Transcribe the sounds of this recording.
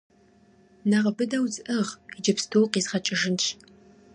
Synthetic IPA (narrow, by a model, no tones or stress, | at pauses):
naʁɐbɨdɐwzɨʔɨʁid͡ʒɐpstʰowqiːzχɐt͡ʃʼɪʒɨnt͡ʃʰ